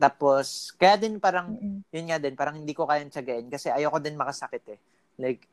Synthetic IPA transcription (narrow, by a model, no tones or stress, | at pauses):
t̪aːposkɐjaːd̪ɪnpaːɾɐŋjʊnŋad̪ɪnpaːɾɐŋhɪnd̪iːko̞kaːjant͡ʃɐɡɐʔɪnkɐsɛʔɐjowkod̪ɪnmɐkɐsɐkɪt̪ɛ | lɐjɡ̚